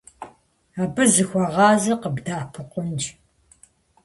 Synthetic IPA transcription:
aːbɨzɨxʷɔʁɑːzɨqəbdaːpʰɨqʷʊnd͡ʒ

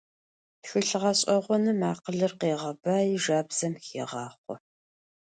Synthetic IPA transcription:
xɨɬʁɐɕʼɐʁʷɔnɨmaːqəɮɨrqeːʁɐbaːjɪʒaːbz̥ɐmxḛːʁɑːχʷɔ̰

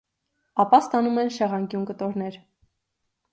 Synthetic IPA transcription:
ɑpɑst̪ɑnumɛnʃɛʁɑŋɡjunkət̪ɔɾn̪ɛɾ

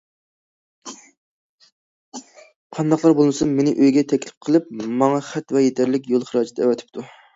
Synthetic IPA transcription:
qʰɑnd̪ɑχlˠɑɾbolˠmɨsɨnmenɪʔøjɡʲɛt̪ʰɛkʲlɪ̥p̚qʰəlˠɨp̚mɑŋɑχɛt̪vɛjet̪ʰæɾlɪkʲjolˠχəɾɑːd͡ʒɛt̪ʰɛwɛt̪ʰɪ̥p̚t̪ʰu

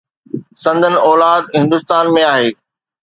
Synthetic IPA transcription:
sɐ̃nd̪ʱənɪ̆ɔːlaːd̪ɦɪ̃nd̪ʊst̪aːnmẽaːɦeː

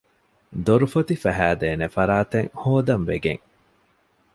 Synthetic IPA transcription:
d̪oɾufɐt̪ifæɦæːd̪eːnefɐɾaːt̪eŋhoːd̪ɐnʋeɡḛŋ

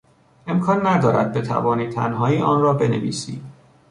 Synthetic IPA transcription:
e̞mkʰɒːnːæd̪ɒːɾæ̰d̪̚be̞t̪ʰæ̰vɒːniːt̪ʰæ̰nɦɒːiːʔɒːnrɒːbe̞ne̞̰vḭːsḭːd̪̥

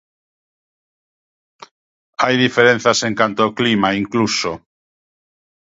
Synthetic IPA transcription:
ajðifeɾẽn̟θaseŋkant̪ooklimaiŋkluso

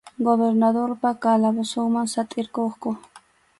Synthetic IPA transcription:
ɡobeɾnad̪oɾpakalabosoŋmansat̪ʼɪɾkoχko

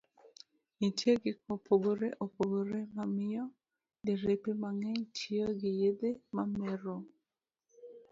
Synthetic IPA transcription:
itjeɡɪkopoɡoɾeʔopoɡoɾemamɪjɔ | deɾepimaŋɛɲtʰioɡɪjedemamɛɾo

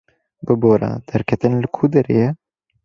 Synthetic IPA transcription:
bɨboːɾɑ̰ːd̪̥ɛɾkʰɛt̪ɨnlɨkʰud̪ɛɾḛːjɛ

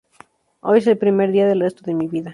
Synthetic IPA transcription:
ojes̬elpɾimeɾðiaðelre̞st̪oðemiβiða

